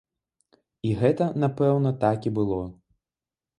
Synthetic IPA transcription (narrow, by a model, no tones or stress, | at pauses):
iɣɛt̪ɐnapɛwnɐt̪akʲibɨlˠɔ